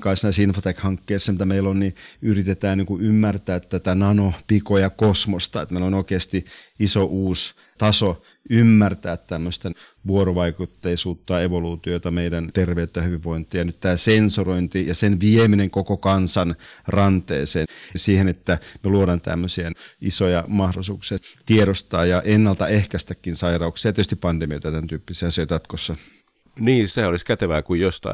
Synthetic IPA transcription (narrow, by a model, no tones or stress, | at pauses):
kɑisnɑisinfot̪ekhɑŋkːeːsːemut̪ːɑmeilonniyrit̪et̪æːniːŋkuymːært̪æːt̪t̪æt̪ænɑnopikojɑkosmost̪ɑet̪meilonoikeɑst̪iisoʔuːs | t̪ɑso | ymːært̪æːt̪t̪æmːøst̪ɑ | ʋuoɾoʋɑikut̪ːeisuːt̪ːɑeʋoluːt̪iot̪ɑmeidænt̪erʋeyt̪ːæhyʋiʋʋoint̪ˑijɑnyt̪t̪æːsensuroint̪ijɑsenʋiemineŋkokokɑnsɑnrɑnt̪ḛːseːsiːhenet̪ːæmeluoɾɑnt̪æ̰mːøsienʔisojɑmɑhdosuːksiɑt̪ieɾost̪ɑːjɑʔenːɑlt̪ɑehkæst̪ækːinsɑirɑuksijɑetøst̪ippɑndemiot̪æt̪ænt̪yːpːisɑsiot̪jɑt̪kosːɑ | niːseoliskæt̪eʋæːkujjost̪ɑ̰